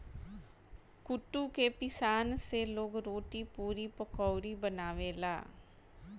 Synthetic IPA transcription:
kʊʈːuːkeːpɪsaːnseːloɡɾoːʈiːpuːɾiːpəkɔːɾiːbənaːʋeːla̰ː

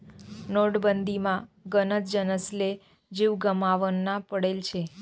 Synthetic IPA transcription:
noɽbənd̪imãɡənət̪d͡ʒənəsle | d͡ʒiʋɡəmaʋənːãpəɽelt͡ʃʰe

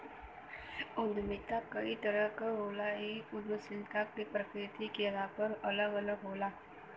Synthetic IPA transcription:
ʊnd̪mɪt̪akəit̪əɾəkɦoːlaɦiʊd̪ʋəsɪlk̪akipɾəkɾɪt̪ikelapəɾələɡələɡɦoːlaː

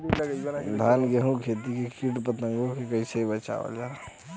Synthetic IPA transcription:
d̪ʱanɡeɦũkʰet̪ikekiʈpət̪əŋɡokekəɪsebət͡ʃa̰ʋə̰ld͡ʒa

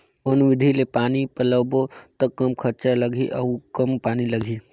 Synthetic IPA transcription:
onʊʋɪd̪ʱilepaːnipələbot̪əkːɐmkʰɐɾt͡ʃalɐɡʱiʔɔkɐmpaːnilɐɡʱi

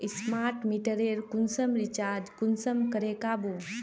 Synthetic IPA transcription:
ismaːɾʈmiʈəɾeːɾkunsəmɾit͡ʃaːɾd͡ʒkunsəmkəɾeːkabu

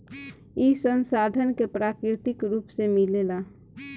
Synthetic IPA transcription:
isənsaːd̪ʱənkepɾaːkɾɪt̪ɪkɾuːpsemilela

